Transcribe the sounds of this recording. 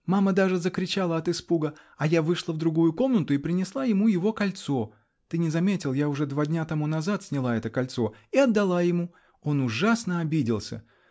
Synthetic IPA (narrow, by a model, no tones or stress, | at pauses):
maməd̪aʐɨzəkɾʲɪt͡ɕalˠəɐt̪ɨspuɡə | ɐjavɨʂlˠəvd̪ɾʊɡujʊko̞mnət̪ʊɪpɾʲɪnʲɪslˠajɪmujɪvo̞kɐlʲt̪so̞ | t̪ɨnʲɪzɐmʲetʲɪlˠjaʊʐɛd̪vadʲnʲat̪ɐmunɐzat̪sʲnʲɪlˠaɛt̪əkɐlʲt̪so̞iɐd̪ːɐlˠajɪmu | o̞nʊʐasnəɐbʲidʲɪlˠsʲə̰